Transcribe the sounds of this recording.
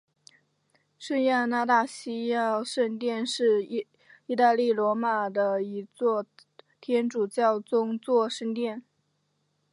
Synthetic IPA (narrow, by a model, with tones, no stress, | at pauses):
ʂə˥˧nja˥˧na˥˧t̪a˥˩ɕi˥ja˥˧ʂə˥˧nt̪jɛ˥˧nʂɻ̩˥˩˧ | i˥˧t̪a˥˧li˥˩lwɔ˧˥ma˨˩d̪ə˧i˧˥t͡swɔ˥˩t̪ʰjɛ˥nʈ͡ʂu˨˩t͡ɕjɑ˥˩ʊt͡sʊ˥ŋt͡swɔ˥˧ʂə˥˧nt̪jɛ˥˩n